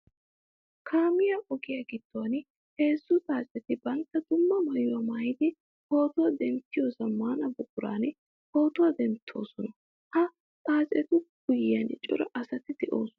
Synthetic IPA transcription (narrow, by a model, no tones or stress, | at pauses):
kʰaːmɪjɐʔɔɡɪjɐɡɪd̪̥ːoɐn | he̞ːsːʊt͡s̪ʼaːsʼɛt̪ɪbɐnt̪ːɐd̪ʊmːɐmɐjʊwɐmɐjd̪ɪ | ho̞ːt̪ɔwɐd̪ɛmt̪ːɪjo̞ːsɐmaːnɐbʊkʼːʊɾa̰ːnɪ | ho̞ːt̪ɔwɐd̪ɛmt̪ʰːo̞̰ːsɔnɐ | hɐ | t͡sʼaːsʼɛt̪ʊɡ̥ʊjɪjɐnt͡ʃʼʊ̰ɾɐʔɐsɐt̪ɪd̪ɛʔo̰ːsɔn